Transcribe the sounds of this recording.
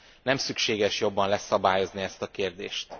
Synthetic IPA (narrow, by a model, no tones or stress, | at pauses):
nɛmsykʃeːɡɛʃjo̞bːɒnlɛsɒbaːjo̞zniɛst̪ɒkeːrd̪ḛːʃt̪